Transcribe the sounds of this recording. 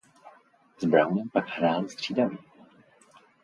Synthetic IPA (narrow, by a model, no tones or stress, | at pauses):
zbɾawnɛmpakhɾaːlst̪r̝̥iːdamɪ